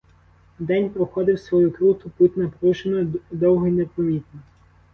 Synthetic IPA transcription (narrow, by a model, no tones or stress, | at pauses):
d̪ɛnʲpɾɔxɔd̪ɪwsʋɔjukɾut̪ʊput̪ʲnɐpɾuʃenɔd̪ɔwɦɔinepɔmʲit̪nɔ